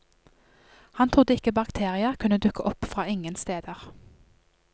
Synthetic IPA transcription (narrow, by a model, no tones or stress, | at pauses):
hɑnt̪ʰʁʊd̪əɪkəbɑkt̪ʰeːʁɪəkʰʉnəd̪ʉkəʔɔpfʁɑːɪŋənst̪eːd̪əʁ